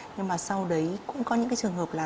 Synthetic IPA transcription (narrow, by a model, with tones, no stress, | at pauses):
ɲɨ˧ŋmaː˨˩sa˧wɗə˨˦jkʊʊ̰˧˥ŋ͡mkɔ˨˦ɲɨ̰˧˥ŋkaː˨˦jt͡ɕɨ˨˩əŋɦəː˨˩p̚laː˨˩